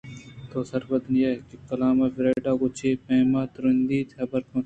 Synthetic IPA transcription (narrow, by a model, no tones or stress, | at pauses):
t̪oːsɐɾbɐd̪njeːkikɐlaːmaːfɪɾeːɖaːɡot͡ʃʰeːpẽːmaːt̪ʊɾɐnd̪iːt̪hɐbɐɾkõː